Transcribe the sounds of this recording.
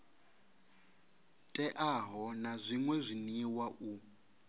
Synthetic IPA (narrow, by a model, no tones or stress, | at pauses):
tʼɛʔaɦɔnazʷiŋwɛzʷiniwaʔu